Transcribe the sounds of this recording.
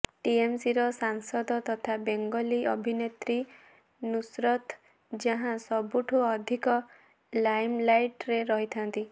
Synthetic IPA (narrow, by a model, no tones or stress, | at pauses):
ʈiemsiɾɔsaŋsɔd̪ɔt̪ɔt̪ʰabeŋɡɔliʔɔbʱinet̪ɾi | nusɾɔt̪ | d͡ʒaɦãsɔbuʈʰuɔd̪ʱikɔ | lajmlajʈɾeɾɔɦit̪ʰant̪i